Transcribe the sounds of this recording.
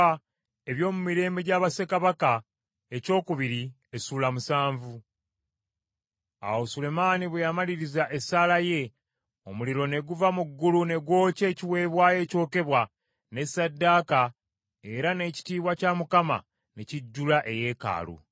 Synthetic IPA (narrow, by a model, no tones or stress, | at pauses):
e̞βjo̞ːmumiɾe̞ːmbe̞ɟaːβase̞kaβaka | e̞co̞ːkuβiɾi | esuːlamusaːɱvu | a̰wosule̞maːniβwejamaliɾizaʔe̞salaje̞ | o̞muliɾo̞ne̞ɡuvamuɡːulune̞ɡwo̞ːce̞ːciwe̞ːβwaːje̞ːco̞ːke̞βwa | ne̞sadːaːka | e̞ɾane̞ːci̥tiːβwacamukama̰ | neciɟːulaʔe̞je̞ːka̰ːlṵ